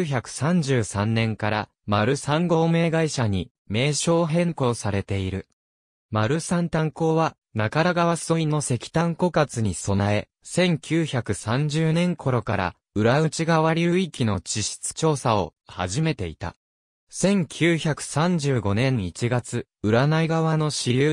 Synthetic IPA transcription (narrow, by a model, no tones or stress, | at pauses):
çakɯ̟̥sãɲ̟d͡ʑɨːsãnːẽ̞ŋkaɾa | maɾɯ̟sãŋɡo̞ːme̞ːɡaiɕaɲ̟i | me̞ːɕo̞ːɦẽ̞ŋko̞ːsaɾe̞t̪e̞iɾɯ̟ | maɾɯ̟sãnt̪ãŋko̞ːβa | nakaɾaɡaβaso̞inːo̞se̞kʲi̥t̪ãŋko̞kat͡sɨɲ̟iso̞nae̞ | sẽ̞ŋkʲɨːçakɯ̟sãɲ̟d͡ʑɨːnẽ̞ŋkʰo̞ɾo̞kaɾa̰ | ɯ̟ɾaɯ̟t͡ɕiɡaβaɾʲiɯ̟ikʲino̞t͡ɕiɕi̥t͡sɨ̥t͡ɕo̞ːsao̞̰ha̰ʑime̞t̪e̞ḭt̪a̰ | sẽ̞ŋkʲʰɨːçakɯ̟̥sãɲ̟d͡ʑɨːɡo̞nẽ̞ŋit͡ɕiɡat͡sɨ | ɯ̟ɾanaiɡaβano̞ɕiɾʲɯː